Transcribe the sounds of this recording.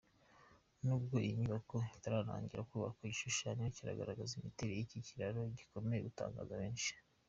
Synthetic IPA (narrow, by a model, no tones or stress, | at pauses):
nuːb̚ɡo̞ʔiɲuβakoitaɾaɾa̰ːɲɟiɾakuːβa̰kaiɟiʃuʃaːɲociɾa̰ɡa̰ɾaɡazimiteɾejiciciɾaɾo̞ɟiko̞mejḛɡuta̰ːŋɡa̰zaβe̞ːnʃi̥